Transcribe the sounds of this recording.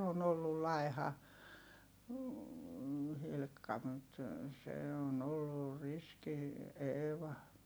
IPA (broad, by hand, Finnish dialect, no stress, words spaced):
on olːul lɑi̯hɑ hilkːɑ mut se on olːur riski eːʋɑ